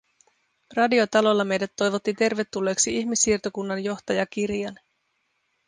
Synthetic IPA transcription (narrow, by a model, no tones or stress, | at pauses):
rɑdio̞t̪ɑlo̞lːɑme̞jdæt̪ːo̞jʋo̞t̪ːit̪e̞rʋe̞t̪ːulːe̞ːksiiçmisːiːrt̪okunːɑnjo̞xt̪ɑjɑk̟irjɑn